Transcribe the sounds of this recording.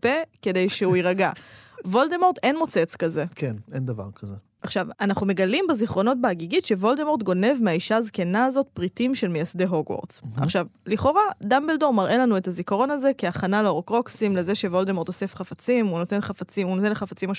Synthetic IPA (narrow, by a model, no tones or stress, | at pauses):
peke̞de̞jʃeuiʁaɡavo̞ldemo̞ʁd̪e̞nmo̞t͡se̞t͡skaze̞kenend̪ava̰ʁkʰaze | ʔaχʃavanaχnume̞ɡalimbeziχʁo̞no̞t̚baːɡiɡitʃe̞vo̞ldemo̞ʁtɡo̞ne̞vmeaiʃaːzke̞naːzo̞t̚pʁitimʃe̞lmejasdeɦoɡwo̰ʁza̰χʃavliχo̞ʁad̪ambeldoʁmaʁʔe̞lanue̞tazikaʁo̞naze̞kiaχanaleoʁokʁo̞ksimle̞ze̞ʃe̞vo̞ldemo̞ʁt̪o̞se̞fχafat͡simunotenχafat͡siunot̪e̞nleχafat͡simaʃ